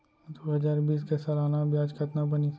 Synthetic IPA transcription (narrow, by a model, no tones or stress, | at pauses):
d̪oːɦɐzaːɾbiːskesɐlaːnabjaːd͡ʒkʰɐt̪nabɐni